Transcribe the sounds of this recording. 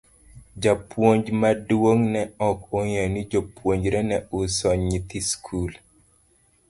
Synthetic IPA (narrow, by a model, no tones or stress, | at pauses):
d͡ʒapwoɲd͡ʒmadwoŋnɛɔkojɛnid͡ʒopwoɲd͡ʒɾɛnɛʊsɔɲit̪iskʰul